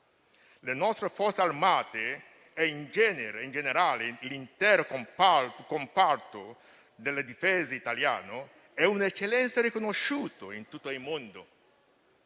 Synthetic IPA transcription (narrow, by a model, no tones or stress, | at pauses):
lenɔst̪ɾofɔrt̪sarmaːt̪e | ɛind͡ʒɛneɾeind͡ʒeneɾaːlelint̪ɛːɾokompakompart̪o | d̪elːed̪ifezeit̪alja̰ːno | ɛunɛt͡ʃːelːɛnt̪seɾikonoʃuːt̪oint̪ut̪ːoilmond̪o